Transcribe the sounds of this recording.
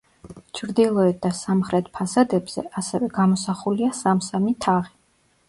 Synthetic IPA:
t͡ʃʰɾd̪ilˠɔɛt̪̚d̪asamχɾɛt̪ʰpʰasad̪ɛbz̥ɛ̰ʔasɛvɛɡamɔsaχuliasamsamit̪ʰaʁi

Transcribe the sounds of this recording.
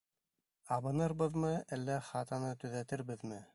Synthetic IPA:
ɑβɤ̆nɤɾβɤðmɤælːæχɑt̪ɑnɤt̪ɵ̆ðæt̪ɘɾbɘðmɘ

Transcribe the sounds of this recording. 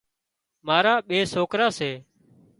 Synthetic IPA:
maːɾaːɓeːsoːkɾaːseː

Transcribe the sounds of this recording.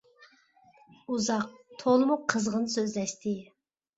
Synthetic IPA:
uzɑq̚t̪ʰolˠɨmuqʰəzʁənsøzlɛʃt̪ʰɪ

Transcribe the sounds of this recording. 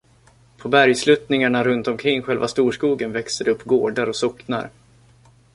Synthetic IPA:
pʰɔbæɾjslʉt̪nɪŋaɳaɾɵnt̪ɔmkʰɾɪŋːɧɛlvast̪uːʂkuːɡənvɛkst̪əd̪ɛɵpːɡoːɖaɾɔsɔkna̰ɾ

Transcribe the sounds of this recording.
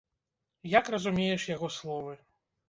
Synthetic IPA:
jakrɐzumʲejɛʂjaɣɔslˠɔvɨ

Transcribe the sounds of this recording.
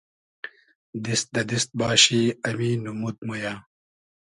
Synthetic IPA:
d̪ist̪̚d̪ɐd̪ist̪̚baːɕiːɐmiːnumut̪̚mujaː

